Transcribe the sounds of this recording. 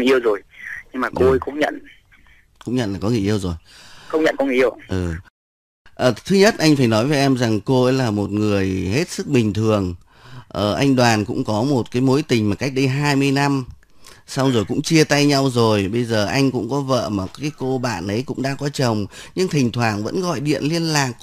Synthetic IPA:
ʔi˧əwzo˨˩jɲɨ˧ŋmaː˨˩ko˧kʊ̰˧˥ŋ͡mɲə̰˧˨n | kʊ̰˧˥ŋ͡mɲə̰˧˨nlaː˨˩kɔ˨˦ŋɨ˨˩əjʔi˧əwzo˨˩j | xə˧wŋ͡mɲə̰˧˨nkɔ˧wŋ˨˩˨ʔəwʔɨ˨˩ | ʔəː˨˩t̪ʰɨ˨˦ɲə˦˥t̚ʔa˧ŋ̟faː˧˩jnɔ˨˦jvə˨˦ʔɛ˧mza˨˩ŋko˧ʔə˨˦jlaː˨˩mo˨˩t̚ŋɨ˨˩əjhe˦˥t̚sɨ˦˥k̚ɓï˨˩ŋ̟t̪ʰɨ˨˩əŋ | ʔəː˨˩ʔa˧jŋ̟ɗwaː˨˩nkʊ̰˧˥ŋ͡mkɔ˨˦mo˨˩t̚kaː˨˦jmo˨˦jt̪ï˨˩ŋ̟maː˨˩ka˦˥k̚ɗə˧jɦaː˧jmɨ˧əjna˧m | sa˧wŋ͡mzo˨˩jkʊ̰˧˥ŋ͡mt͡ɕi˧ət̪a˧jɲa˧wzo˨˩jɓə˧jzəː˨˩ʔa˧jŋ̟kʊ̰˧˥ŋ͡mkɔ˨˦və̰ː˧˨maː˨˩kaː˨˦jko˧ɓa̰ː˧˨nʔə˨˦jkʊ̰˧˥ŋ͡mɗa̰ː˧˥kɔ˨˦t͡ɕə˨˩wŋ͡mɲɨ˧ŋt̪ʰï˨˩ŋ̟t̪ʰwaː˨˩ŋnvə̰˧˥nɣɔ̰˧˨jɗḭ˧˨ənli˧ənlaː˨˩k̚

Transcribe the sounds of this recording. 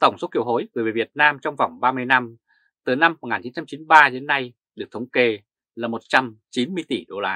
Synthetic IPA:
t̪ə˧˩wŋ͡mso˨˦˥t̚ki˧˨əwɦo˨˦jvɨ˨˩ve˨˩vi˨˩ət̚naː˧mt͡ɕɔ˧wŋ͡mva̰˧˩wŋ͡mɓaː˧mɨ˧əjna˧m | t̪ɨ˨˩na˧mːo˨˩ŋaː˨˩t͡ɕi˨˦nt͡ɕa˧mt͡ɕi˨˦nɓaː˧ɗe˨˦ənːa˧j | ɗɨ˨˩ək̚t̪ʰə˨˦wŋ͡mke˧ | laː˨˩mo˨˩t̚t͡ɕa˧mt͡ɕi˨˦nmɨ˧əjt̪i˧˩ɗo˧laː˧

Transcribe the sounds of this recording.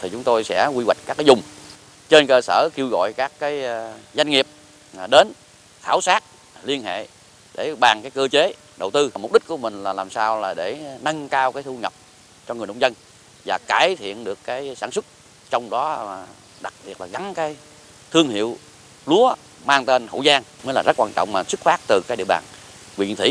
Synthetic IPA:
t̪ʰi˨˩t͡ɕʊ˨˦ŋ͡mt̪o˧jsɛ̰˧˥kwi˧ɣwa˨˩k̟̚kaː˦˥kːaː˨˦zʊ˨˩ŋ͡m | t͡ɕe˧nkəː˧səː˧˩ki˧əwɣɔ̰˧˨jkaː˦˥kːaː˨˦jza˧jŋ̟ŋi˨˩əp̚ | ɗe˨˦n | xaː˧˩wsaː˦˥t̚ | li˧ənɦḛ˧˨ | ɗe˧˩ɓaː˨˩ŋkaː˨˦jkəː˧t͡ɕe˨˦ | ɗə˨˩wt̪ɨ˧a˨˩m˨˩k͡p̚ɗï̟˦˥ku˧˩əmï˨˩ŋ̟laː˨˩laː˨˩msaː˧wlaː˨˩ɗe˧˩na˧ŋkaː˧wkaː˨˦jt̪ʰu˧ŋə˨˩p̚ | t͡ɕɔ˧ŋ˨˩n˨o˧˨ŋ͡mzə˧n | vaː˨˩kaː˧˩jt̪ʰḭ˧˨ənɗɨ˨˩əkːaː˨˦jsaː˧˩nswʊ˦˥t̚ | t͡ɕɔ˧wŋ͡mɗɔ˨˦˨ | ɗa˨˩k̚ɓi˨˩t̚laː˨˩ɣa˨˦ŋkaː˨˦j | t̪ʰɨ˧əŋhḭ˧˨əw | lu˨˦ə | maː˧ŋt̪e˧nho̰˧˨zaː˧ŋmə˨˦laː˨˩zə˦˥t̚kwaː˧nt͡ɕɔ̰˧˨wŋ͡mmaː˨˩sɨ˦˥k̚faː˦˥k̚t̪ɨ˨˩kaː˨˦k̚ɗḭ˧əwɓa̰ː˨˩n | kwḭ˧˨ənt̪ʰwḭ˧˩˦

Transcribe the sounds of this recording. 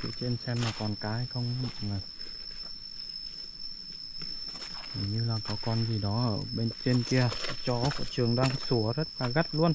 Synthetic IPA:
t̪ʰḭ˧˥˨t͡ɕe˧nsɛ˧mlaː˨˩kɔ˨˩nkaː˨˦jxə˧wŋ͡mma̰˧˨ŋə˨˩ | za˨˩ɲɨ˧laː˨˩kɔ˨˦kɔ˧nzi˨˩ɗɔ˨˦ʔəː˧˩ɓe˧nt͡ɕe˧nki˧əɔ˧˨t͡ɕɔ˨˦kɔ̰˧˩t͡ɕɨ˨˩əŋɗaː˧ŋ˧˦su˧˩əzə˦˥t̚laː˨˩ɣa˦˥t̚lu˧ən

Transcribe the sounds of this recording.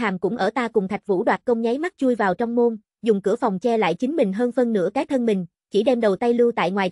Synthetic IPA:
aː˨˩mkʊ̰˧˥ŋ͡mʔəː˧˩t̪aː˧kʊ˨˩ŋ͡mt̪ʰa˨˩k̟̚vṵ˧˥ɗwaː˨˩t̚kə˧wŋ͡mɲa˨˦jma˦˥t̚t͡ɕu˧əjvaː˨˩wt͡ɕɔ˧wŋ͡mmo˧n | zʊ˨˩ŋ͡mkɨ̰˧˩əfɔ˨˩wŋ͡mt͡ɕɛ˧la̰ː˧˨jt͡ɕï˨˦ŋ̟mï˨˩ŋ̟ɦəː˧nfə˧nːɨ̰˧˥əkaː˨˦jt̪ʰə˧nmï˨˩ŋ̟ | t͡ɕi˧˩ɗɛ˧mɗə˨˩wt̪a˧jlɨ˧wt̪a̰ː˧˨jŋwaː˨˩j

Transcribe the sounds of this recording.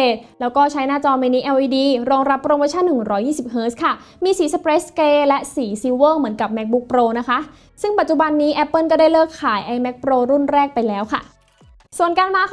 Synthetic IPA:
eː˨˩t̪̚lɛː˦˥wkɔː˥˩t͡ɕʰa˦˥jnaː˥˩t͡ɕɔː˧me˧niː˦˥ʔɛ˧wʔiː˧diː˧ɾoː˧ŋɾa˦˥pːɾoː˧moː˧˥t͡ɕʰa˥˩nːɯ˨˩ŋɾɔː˦˥jiː˥˩si˨˩p̚ɦɤː˦˥skʰa˥˩miː˧siː˨˦sa˧pɾeː˦˥skleː˧˥lɛ˦˥ʔsiː˩˦siː˧˥wəː˥˩ŋmɯ˩˦ənka˨˩p̚mɛ˦˥k̚bu˦˥k̚pɾoː˧na˦˥kʰa˦˥ʔ | sɯ˥˩ŋpa˨˩t̪̚t͡ɕu˨˩ba˧nːiː˦˥ʔɛ˦˥pːɤː˥˩nkɔː˥˩daː˥˩jlɤː˥˩kʰːaː˩˦jʔa˧jmɛ˦˥k̚pɾoː˧ɾu˥˩nɾɛː˥˩k̚pa˧jlɛː˦˥wkʰa̰˥˩ | su˨˩ənkaː˧nmaː˧

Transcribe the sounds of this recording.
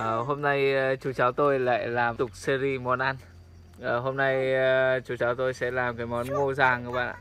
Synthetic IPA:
ʔəː˨˩ɦo˧mna˧jt͡ɕu˨˦t͡ɕaː˨˦wt̪o˧jla̰ː˧˨jlaː˨˩mt̪ʊ˨˩k͡p̚se˧zi˧mɔ˨˦nʔa˧n | ʔəː˨˩ɦo˧mna˧jt͡ɕu˨˦t͡ɕaː˨˦wt̪o˧jsɛ̰˧˥laː˨˩mkaː˨˦jmɔ˨˦nmo˧zaː˨˩ŋkəː˨˦ɓa̰ː˧˨nʔa̰ː˧˩˨

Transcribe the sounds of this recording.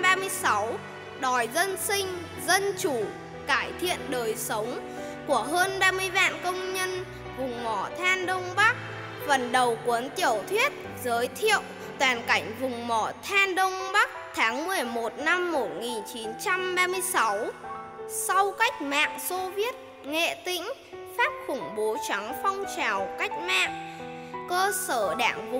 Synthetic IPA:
ɓaː˧mɨ˧əjsa˨˦w | ɗɔ˨˩jzə˧nsï˧ŋ̟ | zə˧nt͡ɕu˧˩ | kaː˧˩jt̪ʰḭ˧˨ənɗəː˨˩jsə˨˦wŋ͡m | ku˧˩əɦəː˧nɓaː˧mɨ˧əjɓa̰ː˧˨nkə˧wŋ͡mɲə˧n | vʊ˨˩ŋ͡mmɔ˧˩t̪ʰaː˧nɗə˧wŋ͡mɓa˦˥k̚ | və˨˩nɗə˨˩wkwə˨˦nt̪i˧˩əwt̪ʰwi˦˥ət̚ | zəː˨˦jt̪ʰḭ˧˨əw | t̪waː˨˩nka˧˩jŋ̟vʊ˨˩ŋ͡mmɔ˧˩t̪ʰaː˧nɗə˧wŋ͡mɓa˦˥k̚t̪ʰaː˨˦ŋmɨ˨˩əjmo˨˩t̚na˧mːo˨˩t̚ŋi˨˩nt͡ɕi˨˦nt͡ɕa˧mɓaː˧mɨ˧əjsa˨˦w | sa˧wka˦˥jk̚ma̰ː˧˨ŋso˧vi˦˥ət̚ | ŋḛ˧˨t̪ï˧˥ŋ̟ | faː˦˥p̚xʊ˧˩ŋ͡mɓo˨˦t͡ɕa˨˦ŋfɔ˧wŋ͡mt͡ɕaː˨˩wka˦˥jk̟̚ma̰ː˧˨ŋkəː˧səː˧˩ɗa̰ː˧˩ŋvʊ˨

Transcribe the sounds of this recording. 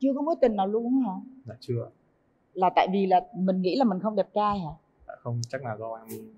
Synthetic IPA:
t͡ɕɨ˧əkɔ˨˦mo˨˦jt̪ï˨˩ŋ̟naː˨˩wlu˧ə˨˦haː˨˩aː˨˩t͡ɕɨ˧ə˨ | laː˨˩t̪a̰ː˧˨jvi˨˩laː˨˩mï˨˩ŋ̟ŋḭ˧˥laː˨˩mï˨˩ŋxə˧ŋ͡mɗɛ˨˩p̚t͡ɕaː˧jhaː˨˩ | a̰ː˨˩xə˧wŋ͡mt͡ɕa˦˥k̚naː˨˩zɔ˨˧˩ʔaː˧n˧

